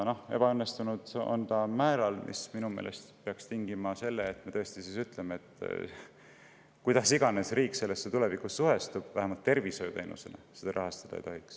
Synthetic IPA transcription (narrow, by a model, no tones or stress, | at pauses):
nohe̞b̥ɑønːe̞st̪unud̪̥o̞̰nt̪ɑmæːɾɑlmʔḭsminume̞̰ːle̞̰st̪peɑkst̪iŋɡimɑse̞lːeːt̪ːme̞t̪ɤ̞ːst̪isisyt̪ˑlemeet̪ː | kujd̪ɑsiɡ̥ɑne̞sriːkːˑse̞lːesːet̪ule̞vikusːuɦe̞st̪ub̥væɦemɑlt̪ːe̞rviso̞jut̪ejnʔṵse̞̰nḛse̞d̪̥ɑɾɑɦɑst̪ɑ̥d̪̥ɑḛjt̪oɦiks